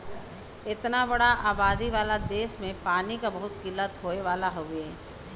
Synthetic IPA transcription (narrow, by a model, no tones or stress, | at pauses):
ɪt̪nabɐɽaʔaːbaːd̪iʋaːlad̪eːʃmẽpaːnikabɐɦʊt̪kɪlːət̪ʰoːeʋaːlaɦoːɡeː